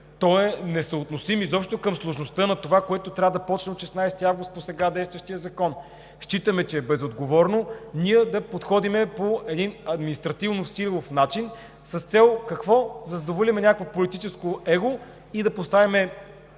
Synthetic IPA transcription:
t̪ɔɛnɛsəot̪nosimizɔpʃt̪okəmslˠoʒnost̪ɤnɐt̪ovakoɛt̪ot̪ɾʲavəd̪ɐpɔt͡ʃnɛot̪ʃɛsnajsɛ̥t̪iavɡost̪̚posɛɡad̪ɛjst̪vɐʃt̪ijəzɐkɔn | ʃt͡ʃit̪əmɛt͡ʃɛːbɛzod̪ɡovɔɾnoniɛd̪ɐpot̪xɔd̪imɛpoɛd̪inɐd̪minist̪ɾɐt̪ivnosillˠofnat͡ʃin | səst̪sɛlˠkɐkvɔzɐzd̪ovolʲimɛnʲakvopolit̪it͡ʃɛskoɛɡo | id̪ɐpost̪avimɛ

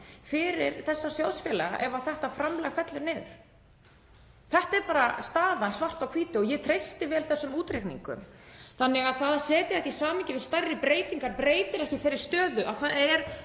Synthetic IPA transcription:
fɪɾɪ̰ɾθɛsːasjawðsfjɛːlɛɣa̰ʔɛvaθɛht̪afɾamlɛɣfɛt̪lɪmnɪɾ | θɛht̪aɛɾpaːɾast̪aːðansvar̥t̪awkʰviːt̪ɪɔjɛt̪ʰɾejst̪ɪvɛːlθɛsːʏmuːt̪ɾejknḭŋkʏ̰mθanːɪɣaðθaðasɛːt̪ɪɛht̪isaːmɪcɪvɪðst̪ajrːɪpɾeːjt̪iŋkaɾpɾeːjt̪ɪɾɛhcɪθejɾːɪ̥st̪œːðʏʔa̰θaɛɾ̥

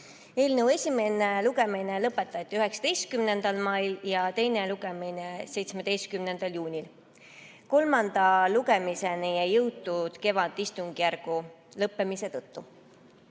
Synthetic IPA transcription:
e̞ːlnəwe̞sʲime̞neluɡe̞mine̞lɤpˑːe̞t̪ˑːɑjt̪ʲːˑiyɦe̞ksɑ̥d̪̥e̞jst̪̚kymne̞nd̪̥ɑlmɑjljɑt̪e̞jne̞luɡe̞mine̞se̞jt̪smed̪̥e̞jst̪̚kymne̞nd̪̥ɑljuːnʲil | ko̞lmɑnd̪̥ɑluɡe̞mise̞nejejɤwt̪ːˑud̪̥ke̞vɑd̪ist̪uŋɡ̥ijæɾɡ̥u | lɤpːe̞mise̞t̪ɤt̪ːu

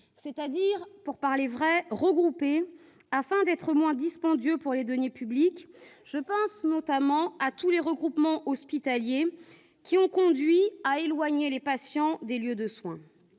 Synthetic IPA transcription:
sɛt̪ad̪iːʁpuʁpaʁlevʁɛʁəɡʁupe | afɛ̃d̪ɛt̪χəmwɛ̃d̪ispɑ̃d̪jøpuʁled̪ɔnepyblikʒ̥əpɑ̃snɔt̪amɑ̃at̪uleʁəɡʁupmɑ̃ʔɔspit̪alje | kʲiɔ̃kɔ̃d̪ɥiaelwaɲelepasjɑ̃d̪eljød̪əswɛ̃

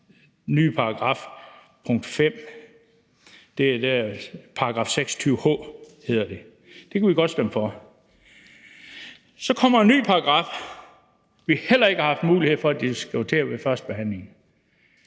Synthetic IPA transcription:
ny̰ːpʰɑ̈ɑɡ̥ʁɑ̈f | pʰɔ̽ŋ̰d̥fem̰ | d̥e̝æd̥æpʰɑ̈ɡ̥ɑ̰̈ːfseɡ̥sɒ̥t͡sʰyːʊhɔ̰̽ːhe̝ð̞̰ˠɐd̥e̝ | d̥e̝kʰæʋiɡ̥ɒ̽d̥sd̥emfɒ | sɒ̽kʰɒ̽m̰ɐenːy̰ːpʰɑ̈ɑɡ̥ʁɑ̈ːf | ʋihel̰ɐe̝ɡ̥əhɑhɑfd̥muːlie̝ð̞̰ˠfɒ̽æd̥isɡ̥t͡sʰe̝ːɐʋe̝fɶɐsd̥̚b̥e̝ɦæn̰le̝ŋ̩

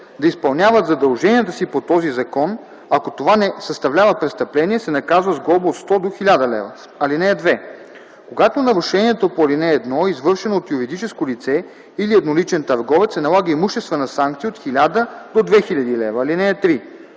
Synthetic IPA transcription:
d̪ɐispɐlˠnʲjavət̪zɐd̪ɐlˠʒɛniət̪əsipot̪ɔzizɐkɔn | ɐkot̪ovanɛsəst̪ɐvlʲavəpɾɛst̪ɐplɛniɛsɛnɐkazvəzɡlˠɔboot̪st̪ɔd̪oxilʲad̪əlɛ̰və | ɐlinɛːd̪vɛ | koɡat̪onɐɾʊʃɛniɛt̪opolinɛːd̪nɔizvɤɾʃɛnoːt̪juɾid̪it͡ʃɛskolit̪sɛ | iliɛd̪nolit͡ʃɛnt̪ɐɾɡɔvɛt̪sɛnɐlˠaɡəimuʃt̪ɛst̪vənɐsaŋk̚t̪siːot̪xilʲad̪əd̪od̪vɛxilʲɐd̪ilɛvɐːlinɛːt̪ɾi

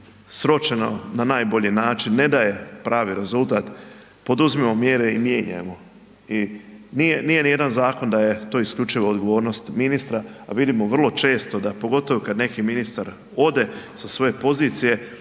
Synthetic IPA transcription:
sɾot͡ʃeno̞̰nanaːjbo̞ʎinaːt͡ʃinːe̞d̪aje̞pɾʔaːʋiɾe̞zulˠt̪aːt̪ | po̞d̪uzmemo̞mjeɾe̞imjeːɲa̰jemo̞ | inijenije̞nije̞d̪anzaːko̞nd̪aje̞t̪o̞ːiskʎʲut͡ʃiʋood̪ɡo̞ʋo̞ːɾno̞st̪minist̪ɾaaʋid̪imoʋr̩lˠo̞t͡ʃe̞ːst̪o̞d̪apo̞ɡo̞t̪oʋokad̪ne̞kiminist̪aɾ | o̞d̪e̞sasʋo̞je̞po̞ziːt̪sije̞

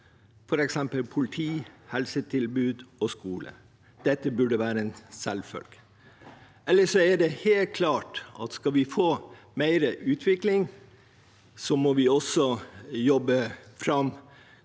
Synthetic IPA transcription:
fɔɾɛksɛmpəlpʰʊlɪt̪ʰiːhɛlsət̪ʰɪlbʉːd̪ɔskuːlə̰ | d̪̥ɛt̪ːəbʉɖəʋæːɾəɛnsɛlfœ̰lɡ̥ | ʔɛlːəʂɔæɖɛheːlt̪̚kʰlɑːʈɑt̪skɑlʋɪfoː | mæɪɾəʔʉːt̪ʰʋɪklɪŋ | sɔmɔʋɪɔsɔjɔbːəfɾɑm

